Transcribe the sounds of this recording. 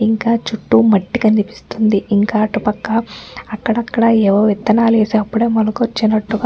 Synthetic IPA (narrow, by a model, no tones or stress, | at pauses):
iŋkaːt͡ʃuʈːumɐʈːikɐnipi̥st̪und̪iiŋkaːɐʈupɐkːɐɐkːɐɽɐkːɐɽɐɛʋɐʋit̪ːɐnaːleːseːɐpːuɽeːmɐlukot͡ʃːinɐʈːuɡa